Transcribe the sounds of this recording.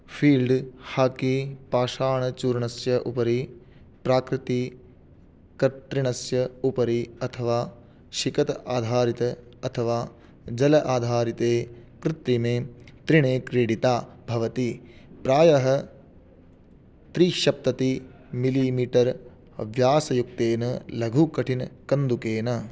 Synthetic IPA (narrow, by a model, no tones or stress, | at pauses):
pʰiːlɖhaːkipaːʃaːɳɐt͡ʃuːɾɳɐsjɐʔṵpɐɾi | pɾaːkɾit̪i | kɐt̪ɾiɳɐsjɐupɐɾiɐt̪ʰɐʋaː | ʃikɐt̪aːd̪ʱaːɾit̪ɐɐt̪ʰɐʋaː | d͡ʒɐlɐʔaːd̪ʱaːɾit̪eːkɾɪt̪ɾimeːt̪ɾiɳeːkɾeːɽit̪aːbʱɐʋɐt̪ipɾaːjɐɦɐ | t̪ɾiʃɐp̚t̪ɐt̪i | miliːmiːʈɐɾ | ʋjaːsɐjuk̚t̪eːnɐlɐɡʱukɐʈʰinɐkɐnd̪ukeːnɐ